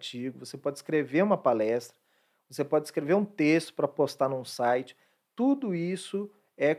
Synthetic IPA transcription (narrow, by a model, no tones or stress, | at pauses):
t͡ʃiɡʊvosepɔd͡ʒɪiskɾeveɾũmɐpalɛst̪ɾɐ | vosepɔd͡ʒɪiskɾeveɾũt̪est̪ʊ̥pɾɐpost̪anũsajt͡ʃɪ̥ | t̪ud̪ʊisʊ | ɛ